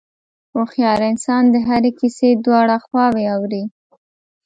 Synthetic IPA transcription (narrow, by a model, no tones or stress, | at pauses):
oxjɑɾɪnsɑnd̪əɦaɾekised̪wɑɽaxwɑweawɾi